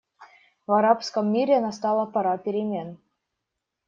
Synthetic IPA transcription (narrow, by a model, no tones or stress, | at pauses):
vɑɾɑpskɤ̆mːʲiɾʲenɑst̪ɑlˠɤ̆pɤ̆ɾɑpʲeɾʲemʲen